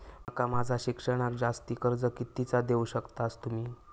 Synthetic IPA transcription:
əkamad͡zʱaɕikʂəɽ̃ak̚d͡zast̪iːkəɾd͡zəkit̪it͡sad̪euɕəkt̪ast̪um̤iː

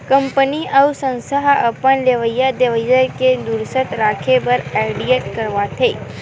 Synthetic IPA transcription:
kə̃mpəniəusə̃nsəɦəpənleʋəjːad̪eʋəzəɾked̪uɾsət̪ɾaːkʰebəɾɛɪɖijeʈkəɾʋat̪ʰeː

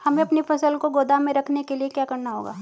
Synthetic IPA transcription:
hɐmẽɐpnifɐsəlkoɡoːd̪amẽɾɐkʰnekeliekjaːkɐɾnaɦo̰ːɡa̰ː

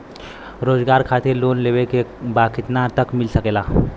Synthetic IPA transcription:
ɾod͡zɡaɾkʰat̪iɾlonleʋekebakit̪nat̪əkmilsəkela

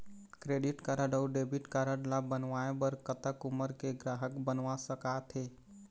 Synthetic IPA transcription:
kɾeɖiʈkaɾəɖəːɖebiʈkaɾəɽlabənʋaebəɾkət̪əkuməɾkeɡɾaːɦəkbənʋasəkat̪ʰɦe

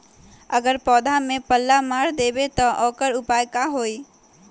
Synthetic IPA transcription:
əɡəɾpɔːd̪ʱamepəlːamaɾd̪ebet̪ɔʔɔkəɾupajkaɦoi

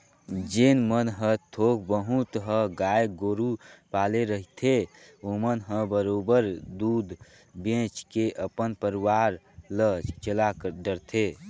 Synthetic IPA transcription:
d͡ʒenmənɦə̃t̪ʰok̚ʰbəɦũt̪ɦə̃ɡajɡoɾupaleɾəɦit̪ʰe | omənɦə̃bəɾobəɾd̪ud̪ | bẽt͡ʃkeʔəpənpəɾiwaɾ | lət͡ʃt͡ʃəlaɖəɾt̪ʰe

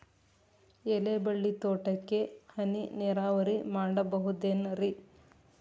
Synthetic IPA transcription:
elebɐɭːit̪oːʈɐkːe̞hɐnineːɾaːʋɐɾimaːɽɐbɐɦud̪eːnɐɾi

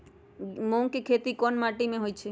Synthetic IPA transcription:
moŋkikʰet̪ikɔnmaʈimẽɦojt͡ʃʰe

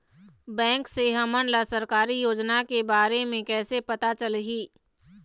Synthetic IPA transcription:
bɛ̃ːŋkseɦɐmənlasɐɾkaːɾijoːd͡ʒnakebaːɾemẽkɛːsepɐt̪at͡ʃəlɡiː

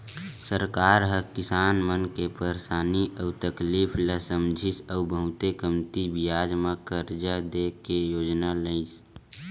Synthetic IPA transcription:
səɾkaːɾɦəkɪsaːnmənkepəɾsaːniəːt̪əkliːfʰləsəmd͡ʒʱɪsəʊbəɦʊt̪ekəmt̪ibɪjaːd͡ʒmãkəɾd͡ʒad̪eːkejoːd͡ʒnaləɪs

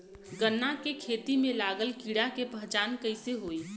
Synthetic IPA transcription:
ɡənːakekʰeːt̪imẽlaːɡəlkiːɽakepəɦd͡ʒaːnkəɪseɦoːiː

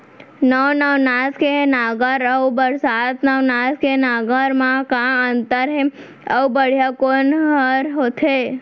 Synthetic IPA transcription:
nəʋnəʋnaskenaɡəɾəubəɾsat̪nəʋnaskenaɡəɾmãkãənt̪əɾɦe | əbəɽ̤jakonɦəɾɦot̪ʰe

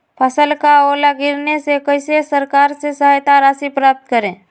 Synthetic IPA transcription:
pʰəsəlkaoːlaɡɪɾnesekəɪsesəɾkaːɾsesəɦajt̪aɾaːsipɾaːp̚t̪kəɾẽː

